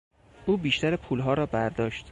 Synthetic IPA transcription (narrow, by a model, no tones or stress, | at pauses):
ʔuːbiːʃt̪æɾepʰuːlɦɒːɾɒːbæɾd̪ɒːʃt̪